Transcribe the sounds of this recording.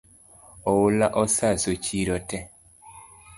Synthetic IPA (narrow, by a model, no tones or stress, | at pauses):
ɔwulaʔɔsasot͡ʃiɾɔtɛ